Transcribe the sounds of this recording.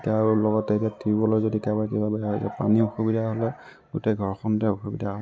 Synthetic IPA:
talɔɡɔtːetijatʰiɹibɔlojzodikabaɹkebabɛaɦɔtɛ̰pa̰nioxubidʱaɦolɛ | ɡutɛɡʱɔɹxɔntɛoxubidʱaɔ

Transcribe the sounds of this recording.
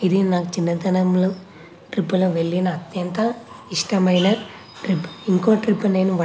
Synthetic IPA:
id̪inaːkut͡ʃinːɐd̪ɐnɐmloː | ʈɾipːulɐʋe̞ɭːinɐːt̪jɐnt̪ɐ | iʂʈɐmɐjnɐ | ʈɾipːu̥iŋko̞ːʈɾipːune̞ːnuʋɐ

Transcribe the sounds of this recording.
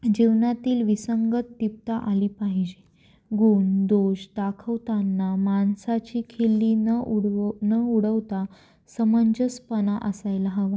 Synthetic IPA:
d͡ʑiʋnat̪iːlʋisəŋɡət̪ːip̚t̪aʔaliːpaɦid͡ʑe | ɡuːnd̪oɕd̪akʰəʋt̪anːamansat͡ɕiːkʰelːiːnɽnəuɽəʋt̪a | səməɲd͡ʑəspənaʔəsajlaɦəʋa

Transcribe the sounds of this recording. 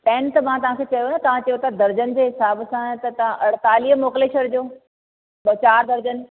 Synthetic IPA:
pɛ̃ːnt̪ɐmãt̪ɐʋ̤ãkʰeːt͡ɕɐjonat̪ɐʋ̤ãt͡ɕɐjot̪ɐd̪ɐɾd͡ʑənd͡ʑeːɦɪsaːbsãt̪ɐt̪ɐʋ̤ãʔɐɽ̤t̪aːliːɦmoːkɪleːʃəɾd͡ʑoː | ɓɐt͡ɕaːɾd̪ɐɾd͡ʑən

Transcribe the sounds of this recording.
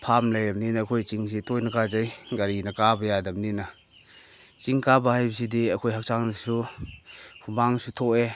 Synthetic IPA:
pʰamlajɾɐmninɐːkʰojt͡ʃiŋs̬itojnɐkazajɡaɾinɐkabɐjadɐmninɐ | t͡ʃiŋkabɐhajbɐs̬idiɐkʰojɦak̚saŋnɐsu | hʰumaŋsutʰɔʔe

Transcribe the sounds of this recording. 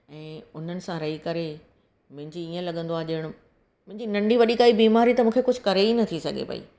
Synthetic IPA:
ɛ̃ːʊn̤ənɪ̆sãɾɐɦikɐɾe | mʊ̃ɦɪ̃ɲd͡ʑiiːə̃lɐɠə̃nd̪oaːeʄɐːɪɽ̃ʊ | mʊ̃ɦɪ̃ɲd͡ʑinɐ̃ɳɖiʋɐɗikaːibiːmaːɾit̪ɐmũːkʰekʊd͡ʑʱʊ̆kɐɾeinɐt̪ʰisɐɡʱḛpɐ̰ḭː

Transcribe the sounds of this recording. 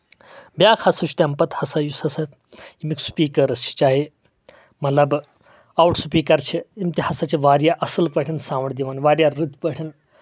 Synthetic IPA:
bʲjaːkʰhɐsut͡ʃʰi̥t̪ʲɐmpɐt̪hɐsajusɐsɐt̪ | imiksu̥piːkɐɾɐst͡ʃʰi̥t͡ʃaːɦe | mɐt̪lɐb | awʈsupiːkɐɾt͡ʃʰiimt̪ihasat͡ʃʰiʋaːɾjaʔɐsəlpəʈʰinsãːʋəɳd̪iʋɐnʋaːɾjaɾɾɨd̪pəʈʰɐn

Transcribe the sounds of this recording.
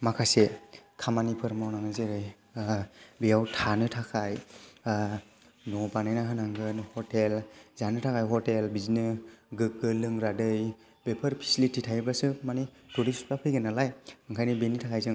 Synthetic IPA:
makʰasekʰamanipʰɯɾmawnaŋɯzeɾɯj | bijawtʰanɯtʰakʰaj | nɔbanajnaɦɯnaŋɡɯnhɔtelzanɯtʰakʰajɦɔtelbizinɯɡɯk̚ɯlɯŋɾadɯj | bepʰəɾpʰi̥slitʰitʰajbasɯmani | tɔɾisu̥tapʰɯjɡɯnalajɯŋkʰajnɯbenitʰakʰajzɯŋ

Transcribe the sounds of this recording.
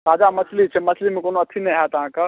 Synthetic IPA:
saːd͡ʒamɐslit͡ʃʰemɐslimẽkoːnoɐt̪ʰːinɐɦat̪ɐɦãka

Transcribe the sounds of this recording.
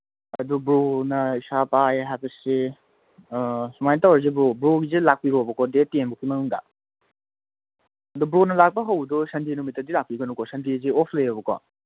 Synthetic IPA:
ɐdubɾonɐisapajeɦajbɐse | sumajntawaz̬ebɾobɾoɡizelak̚piɾobɐkɔdetenbukʰimɐnuŋda̰ | ɐdubɾonɐlak̚pɐɦawdɔsɐndenumitːɐdilak̚piɡɐnukɔsɐndiziɔpʰlejɔbɐkʰɔ̰

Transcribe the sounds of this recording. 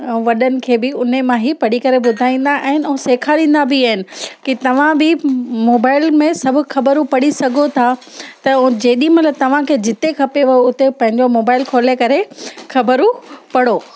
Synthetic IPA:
ɛ̃ʋɐɗənɪ̆kʰeːbɪʊn̤emãɦipɐɽikɐɾebʊd̪ʱaːĩːn̆d̪aʔaɦɪnɪ̆ɛ̃ːseːkʰalĩːnd̪abɪaːɦɪnɪ̆kit̪ɐʋ̤ãbɪmoːbaːɪlmẽsɐbʱʊxʰɐbəɾũpɐɽisɐɡʱot̪ʰa | t̪ɐd͡ʑeːɗĩmɐt̪ləb̚t̪ɐʋ̤ãkʰeːd͡ʑɪt̪ekʰɐpeʋɐjoʊt̪epɐ̃ɦɪ̃ɲd͡ʑomoːbaːɪlkʰoːlekɐɾexʰɐbəɾupɐɽoː

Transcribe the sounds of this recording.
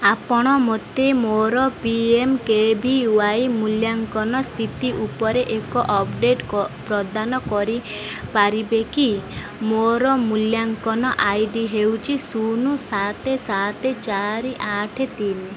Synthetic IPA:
apɔɽ̃ɔmot̪emoɾɔpiemkebʱiuwajmuljaŋkɔnɔst̪ʰit̪iʔupɔɾeʔekɔʔɔpɖeʈɔpɾɔd̪anɔkɔɾi | paɾibeki | moɾɔmuljaŋkɔnɔʔajɖiɦewt͡ʃʰisunusat̪esat̪et͡ʃaɾiʔaʈʰet̪in

